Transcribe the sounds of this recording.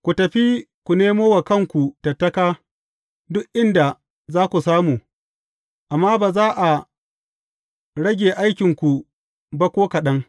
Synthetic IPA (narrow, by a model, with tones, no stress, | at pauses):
kʷu˨tɐ˨ɸi˦kʷu˨neː˦moː˦wa˨kɐ˦˨ŋkʷu˨tɐ˨tːɐ˦kaː˦ | dʊ˦ʔʔɪ˦nda˨ | zaː˦kʷu˨saː˦muː˨ | ʔa˨mːaː˦baː˨zaː˦ʔa˨ | ɽɐ˦ɡʲeː˨ʔa˦jkʲɪ˨ŋkʷu˨ | bɐ˦kʷoː˦kɐ˨ɗɐ˦ŋ